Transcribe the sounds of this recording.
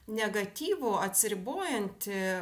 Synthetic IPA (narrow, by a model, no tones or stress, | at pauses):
nʲɛɡɐt̪ʲiːʋʊɐt̪ʲsʲɪɾʲɪboːjɛnʲt̪ʲɪ